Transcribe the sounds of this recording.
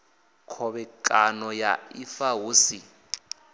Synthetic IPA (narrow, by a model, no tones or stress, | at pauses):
kʰɔβɛkʼanɔjaifaɦuːsi